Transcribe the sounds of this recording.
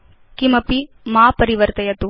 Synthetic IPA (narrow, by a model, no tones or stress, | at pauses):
kimɐpi | maːpɐɾiʋɐɾt̪ɐjɐt̪u